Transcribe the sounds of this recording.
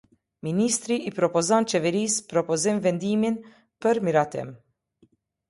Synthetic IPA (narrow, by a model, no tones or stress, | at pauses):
miniːst̪ɾiʔipɾɔpɔzant͡ʃɛvɛɾiːspɾɔpɔzɛmvɛnd̪iːmin | pəɾmiɾat̪ɛ̰m